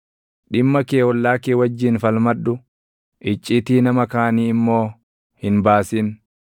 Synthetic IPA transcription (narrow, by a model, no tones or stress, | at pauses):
ᶑɪmːɐkeːɔlːaːkeːwɐd͡ʒːiːnfɐlmɐᶑːʊ | ʔɪt͡ʃʼːiːt̪iːnɐmɐkaːniːɪmːo̞ː | hɪnbaːsiːn